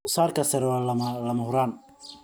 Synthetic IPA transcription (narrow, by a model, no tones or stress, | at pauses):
ʊsaːrkʰɐsɛɾɔlɐmɐhʊɾaːn